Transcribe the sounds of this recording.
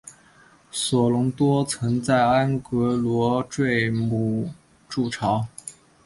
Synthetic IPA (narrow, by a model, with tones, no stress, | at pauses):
swɔ˨˩lʊ˧˥ŋt̪wɔ˥t͡sʰɤ˧˥ŋt͡sa˥˩ɪa˥nkɤ˧˥lwɔ˧˥ʈ͡ʂwe˥˧ɪmu˥˧˩ | ʈ͡ʂu˥˩ʈ͡ʂʰɑ˧˥ʊ